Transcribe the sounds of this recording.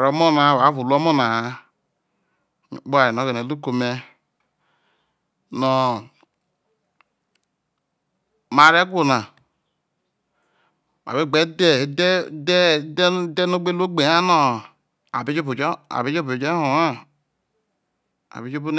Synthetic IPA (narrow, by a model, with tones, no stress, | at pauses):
ɾo˨˦mo˦na˨wa˨˦vu˨lo˦mo˦na˨a˦˨˦ | bo˦a˨ji˨n˨o˦ɡe˨ne˨lu˦ko˨me˦ | nɔ˨ | ma˨ɾe˦ɡʷu˦˨na˨ | m˨a̰˨bi˦ɡ͡be˦de˦˨˦dde˦dde˦no˦ɡ͡be˦lo˦ɡ͡be˨a˦no˦˨ | a̰˨bi˦d͡ʒi˦bu˨d͡ʒa̰˨bi˦d͡ʒo˦bu˨d͡ʒe˦o˨a˦ | a̰˨bi˨˦d͡ʒo˦bu˦n˦